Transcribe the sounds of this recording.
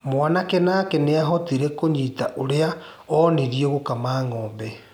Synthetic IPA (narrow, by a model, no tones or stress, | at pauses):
mwanakɛnakɛneaɦɔtiɾɛkoɲitaʔoɾea | ɔniɾieɣokamaːŋɔːmbɛ